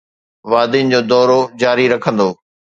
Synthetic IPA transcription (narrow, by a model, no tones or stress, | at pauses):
ʋaːd̪ɪnɪ̆d͡ʑoːd̪ɔːɾod͡ʑaːɾiɾɐkʰə̃nd̪oː